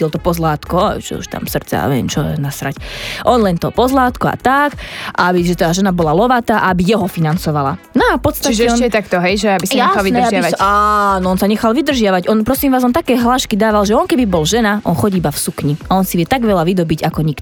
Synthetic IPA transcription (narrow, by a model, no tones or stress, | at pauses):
ilt̪ɔpɔzlaːt̪kɔ̰ʒɛ̰ṵʃt̪a̰msr̩t̪t͡sɛ̰a̰ʋɛɛ̰mt͡ʃɔɛ̰nasɾacʔɔnlɛnt̪ɔpɔzlaːt̪kɔa̰t̪akaabiʒɛt̪aːʒɛnabɔlalɔʋat̪aːʔaabijɛɦɔfinant͡sɔʋala | nɔafpɔt̪st̪aicɛɔnɛt̪akt̪ɔɦɛjʒɛaisjaɛainɛaaaanɔɔnsaɲɛxalʋid̪r̩ʒɪaʋaɟɔnpɾɔsimʋaːzɔnt̪akɛːɦlaːʃkid̪aːʋalʒɛɔnkɛbibɔlʒɛnaʔɔ̰nxɔɟibafsukɲiaɔnsiʋɪɛt̪aɡʋɛlaʋid̪ɔbiɟakɔɲikt̪